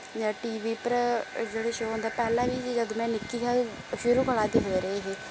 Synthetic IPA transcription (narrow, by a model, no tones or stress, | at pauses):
d͡ʒãːʈiːʋiːpəɾd͡ʒeːɽeːʃoːɦõnd̪aːpɛːlãːʋiːd͡ʒəd̪õmɛ̃ːnɪkːiːkaː | fɪɾũːpəlaːd̪eːɦoːɾəeːɦeː